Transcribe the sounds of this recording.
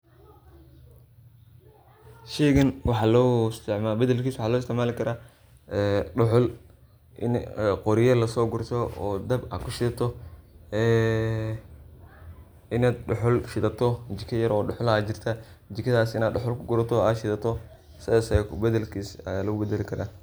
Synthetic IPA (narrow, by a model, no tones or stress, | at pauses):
ʃɛːɣɐnwɑħɑːlɔːɪst̪ʰɪʕmaːbɐðɐlkʰiːswʊħɑːlɔːɪst̪ʰɪʕmaːlɪkʰɐɾaː | ɛɖʊħʊl | ʔɪ̰nɛqɔɾɪjɐlɐsɔːɡʊrt̪ʰɔɔ̰ːd̪ɐba̰ːkʰʊʃɪðɐt̪ʰɔɛː | ɪnaːd̪̚ɖʊħʊlʃɪðɐt̪ʰɔt͡ʃɪkʰɐjɐɾɔːɖʊħʊlaːt͡ʃɪrt̪ʰɐd͡ʒɪkʰɐðaːsɪnaːd̪ɖʊħʊlkʰʊɡʊɾɐt̪ʰɔaːd̪ʃɪðɐt̪ʰɔ | sɪðaːsɛkʊbɐðɐlkʰiːsɐ̰jaːlɐɣʊbɛd̪ɛlɪkʰɐɾa̰ː